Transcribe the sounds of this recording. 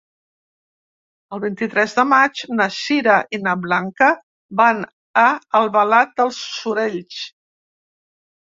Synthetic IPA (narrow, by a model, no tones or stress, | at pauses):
əlˠβint̪it̪ɾɛzðəmad͡ʒnəʃiɾəʔinəβlaŋkə | ban | əəlˠβəlat̪̚d̪əlˠsːuɾeʎs